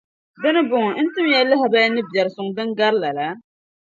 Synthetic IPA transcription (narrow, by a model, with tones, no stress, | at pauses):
dɨ˦nɨ˦bʊ˨ŋ˨˦n̩˦tɨ˦m˦jɛ˦lːɨ˦ɦa˨ba˦jnɨ˦bjɛ˨ɾɨ˨sʊ˨ŋ˨dɨ˦ŋɡa˦ɾla˨la˨˦